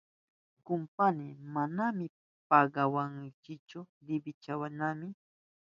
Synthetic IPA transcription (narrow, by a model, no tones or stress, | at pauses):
kʊmpanɪmanamɪ | paɢɑwaŋkɪt͡ʃʊɾɪbɪt͡ʃawanamɪ